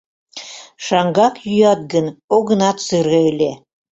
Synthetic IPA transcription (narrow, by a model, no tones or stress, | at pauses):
ʃɑŋɡɑkjyjɑt̪̚ɡənoɣə̆nɑt̪sɨɾɣɤele